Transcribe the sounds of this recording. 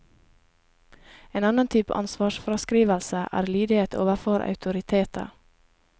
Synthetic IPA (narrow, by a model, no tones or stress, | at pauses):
eːnɑnənt̪ʰyːpə̰ʔɑ̰nsʋɑːʃfɾɑskɾiːʋəlsəʔæ̰ːɾliːd̪ɪeːt̪ʰoːʋəfoːɾʔɑ̰ʉt̪ʰʊɾɪt̪ʰeːt̪ʰə̰